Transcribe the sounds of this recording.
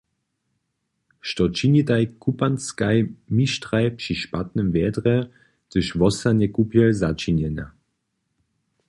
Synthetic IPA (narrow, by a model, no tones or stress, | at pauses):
ʃtɔt͡ʃinitaɪkʰupanskajmiʃtʁajpʂiʃpatnəmvɛdʁɛ | təʃvɔsanɛkupjɛlzat͡ʃinɛna